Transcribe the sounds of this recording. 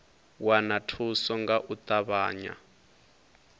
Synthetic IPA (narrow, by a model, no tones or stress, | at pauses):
wanatʰusɔŋɡaʔut̪ʼaβaːɲa̰